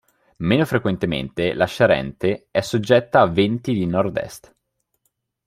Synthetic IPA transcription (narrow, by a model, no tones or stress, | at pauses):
meːnofɾekwent̪emḛnt̪elaʃaɾɛ̰nt̪eɛsːod͡ʒːɛt̪ːaːvent̪id̪inɔrd̪ɛ̰st̪